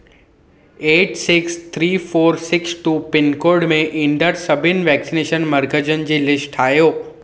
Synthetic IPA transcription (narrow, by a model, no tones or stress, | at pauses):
eːʈsɪkst̪ʰɾiːfoːɾsɪksʈuːpɪnkoːɾɖmẽʔɪ̃ɳɖəɾsɐbʱɪnɪ̆ʋɛːksineːʃənmɐɾɡəd͡ʑən̆d͡ʑeːlɪsʈʰaːjoː